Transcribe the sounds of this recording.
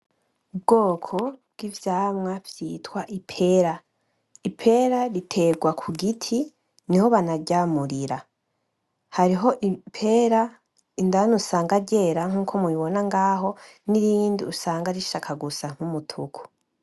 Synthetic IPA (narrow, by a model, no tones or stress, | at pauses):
b̚ɡoːkʰo̞b̚ɡ̥ivjaːmŋavjitwaʔipʰe̞ɾa | ipʰe̞ɾaɾitʰe̞ɡwakʰuɡitʰi | niho̞βanaɟamuɾiɾa | haɾiɦo̞ʔipʰeɾa | indanusaːŋɡaɟe̞ɾaŋ̥uːkʰomuiβo̞naŋɡaːɦo̞ | niɾiːndiusaːŋɡaɾiʃaːkʰaɡusaŋ̥humutʰukʰu̥